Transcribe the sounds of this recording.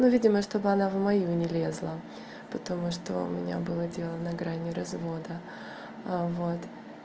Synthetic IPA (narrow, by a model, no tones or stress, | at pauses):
nuvʲidʲɪməʂt̪o̞bɨɐnavmɐjunʲɪlʲezlˠə | pət̪ɐmuʂt̪o̰ʊ̰mʲɪnʲa̰bɨlˠədʲelˠənəɡɾanʲɪɾɐzvo̞d̪ə | vo̞t̪